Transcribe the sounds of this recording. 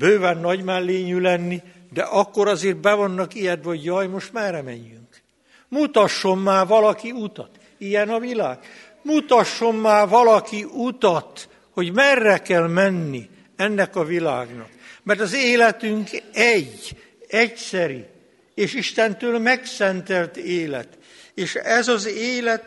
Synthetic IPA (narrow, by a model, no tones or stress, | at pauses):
bøːvɛnːɒɟmɛlːeːɲylɛnːi | d̪ɛ̰ʔɒkːoɾɒzeːr̚bɛvonːɒkijɛt̪ʋɒoɟjɒjmo̞ʃt̪maːrːɛmɛ̰ɲːyŋk | mut̪ɒʃːo̞mːaːvɒlɒkiut̪ɒt̪ | ijɛnɒvila̰ːɡ̥ | mut̪ɒʃːo̞mːaːrvɒlɒkiʔut̪ɒt̪ | ho̞ɟmɛrːɛkɛlmɛnːḭ | ɛnːɛkɒvila̰ːɡnɒ̰kmɛrt̪ɒzeːlɛt̪yŋkɛɟ | ɛcsɛɾi | eːʃiʃt̪ɛnt̪øːlmɛksɛnt̪ɛlt̪eːlɛ̰t̪ | eːʃɛzɒzeːlɛt̪